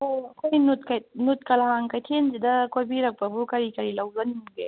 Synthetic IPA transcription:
oɐkʰojnut̪̚kɐjnut̪kɐlaɦaŋkɐjtʰenzid̪ɐkojbiɾɐk̚pɐbukɐɾikɐɾilɐwzɐnimɡḛ

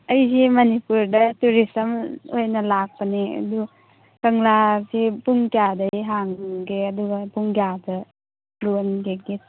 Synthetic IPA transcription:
ɐjzemɐnipuɾdɐtuɾisɐmojnɐlak̚pɐneɐ̰du | kɐŋlasepuŋkjadɐjɦaŋɡeɐduɡɐpuŋɡjadɐ | lunɡeɡe

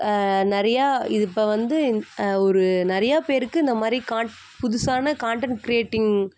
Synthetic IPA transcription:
nɪɾɐjaːɪðɪpːɐʋɐnd̪ɯɔɾɯnɪɾɐjaːpeːɾɯkːɯɪnd̪ɐmaːd̪ɾikaːɳ | pʊðʊsaːnɐkaːɳʈɐɳʈkɾɪjeːʈːɪŋ

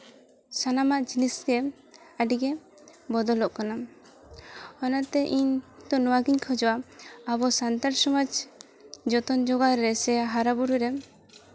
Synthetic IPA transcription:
sanamaʔd͡ʒinisɡɛ | aɖiɡɛ | bɔd̪ɔlɔʔkana | ɔnat̪ɛʔiɲd̪ɔnɔwaɡiɲkʰɔd͡ʒɔwaːbɔsant̪aɾsɔmad͡ʒ | d͡ʒɔt̪ɔnd͡ʒɔɡaɾɾɛsɛɦaɾabuɾuɾɛ

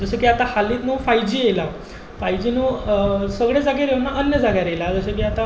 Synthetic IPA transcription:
d͡zəsəkiat̪ahaliːt̪nəfajd͡ʑiːjela | fajd͡ʑiːnəsəɡɭed͡zaɡaɾewnaʔənjəd͡zaɡaɾelad͡zəsəkiːat̪a

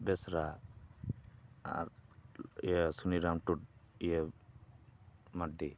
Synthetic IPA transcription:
bɛsɾa | a̰ɾ | ḭasuniɾamʈuʈ̚ijə | maɖi

